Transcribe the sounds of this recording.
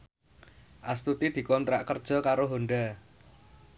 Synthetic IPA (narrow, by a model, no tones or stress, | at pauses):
ʔast̪ut̪id̪̥i̤kɔnt̪ɾaʔkərd̥ʒ̥ɔ̤kaɾoɦoɳɖa